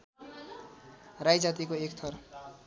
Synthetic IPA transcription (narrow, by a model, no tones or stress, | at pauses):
rajd͡zat̪̬ikoekt̪ʰʌr